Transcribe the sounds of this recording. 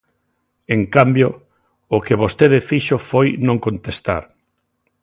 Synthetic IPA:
eŋkambjo | ʊkeβost̪eðɪfiʃofojnõŋkõnt̪est̪a̰ɾ

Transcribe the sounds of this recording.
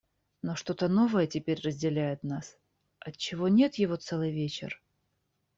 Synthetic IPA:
noʂt̪o̞t̪əno̞vəjətʲɪpʲeɾʲrəzʲdʲɪlʲæjɪt̪nas | ɐtt͡ɕːɪvo̞nʲe̞t̪jɪvo̞t̪sɛlˠɨjvʲet͡ɕɪ̰r

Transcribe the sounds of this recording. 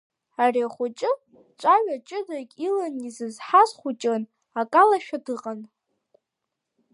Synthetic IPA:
ariaχʷʊt͡ʃʼɪ | t͡ʃʷʼaɥʷat͡ʃʼɨdakʲʼilanizɨzħazχʷʊt͡ʃʼɨn | akʼalaʃᶣadɨqʼan

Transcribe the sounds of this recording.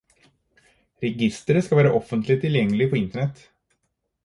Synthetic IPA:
ɾɛɡɪst̪əɾskavæːɾaʔɔfːənt̪ʰlɪt̪ʰːɪljɛŋːlɪɡpʰɔɪnt̪əɳɛt̪ː

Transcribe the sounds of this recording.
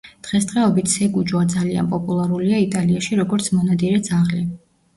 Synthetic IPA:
d̪̥ʁɛsd̪ʁɛɔbit̪ʰsɛɡud͡ʒwad̪zalia̰npʼɔpʼulˠaɾuliait̪ʼaliaʃiɾɔɡɔɾt̪sʰmɔnad̪iɾɛd̪zaʁli

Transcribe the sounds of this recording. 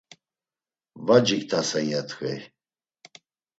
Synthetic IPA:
vad͡ʒikt̪ʰasɛŋjɛt̪ʰxɛ̰j

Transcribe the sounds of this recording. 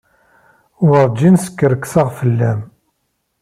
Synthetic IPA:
wəɾˤd͡ʒinsə̥kːəɾəkːsəʁfəlːæm

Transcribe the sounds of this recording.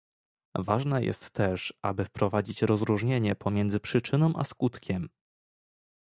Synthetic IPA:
vaʐnajɛ̰st̪ːɛʂʔa̰bɘfpɾɔvad͡ʑit͡ɕɾɔzɾuʐɲeɲɛpʰɔmʲjɛnd̪zɘpʂɘt͡ʂɘnɔ̃w̃ʔa̰skut̪kʲɛm

